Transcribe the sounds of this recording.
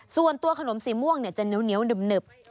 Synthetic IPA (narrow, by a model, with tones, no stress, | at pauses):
su˨˩ənt̪u˧əkʰa˧no˩˦msiː˨˩˦mu˥˩əŋni˧˩ɐt͡ɕa˨˩nɯ˦əwni˧˦əwnɯ˨˩p̚nɯ˨˩p̚